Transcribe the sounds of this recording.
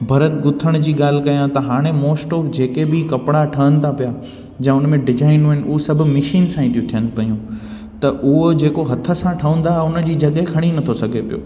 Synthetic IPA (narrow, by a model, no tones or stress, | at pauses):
bʱɐɾət̪ɡʊt̪ʰəɽ̃d͡ʑiːɠaːl̤ɪ̆kɐjãt̪ɐɦaːɽ̃emoːsʈoːfd͡ʑeːkebɪkɐpɪɽaʈʰɐənɪ̆t̪ʰapija | d͡ʑɐ̃ʊnmẽɖɪd͡ʑaːɪnuːɦɪnʔʊɦosɐbʱʊ̆mɪʃiːnsãːĩt̪ʰijũt̪ʰijənɪ̆pɐjũ | t̪ɐʔʊɦod͡ʑeːkoɦɐt̪ʰːə̆sãʈʰɐũːn̆d̪aɦʊnə̆d͡ʑiːd͡ʑɐɠɦekʰɐɽ̃inɐt̪ʰosɐɡʱepijo̰ː